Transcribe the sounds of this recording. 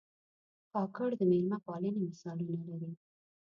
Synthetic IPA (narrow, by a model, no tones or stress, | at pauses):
kɑkəɽd̪əmelmapɑlənemɪsɑlunalaɾi